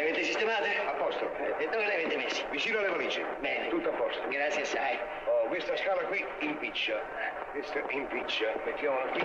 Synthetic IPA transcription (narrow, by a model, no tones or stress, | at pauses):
avet̪esist̪emaːt̪eapːɔst̪oɛed̪oveleavet̪emesːe̥vit͡ʃiːnoalevaliːt͡ʃḭbɛnet̪ut̪ːoapːɔst̪oɡɾat̪sjasːaj | ɔkwest̪askaːlakwi | impit͡ʃːa | ɛ | kwest̪oimpit͡ʃːamet̪ːjamakːi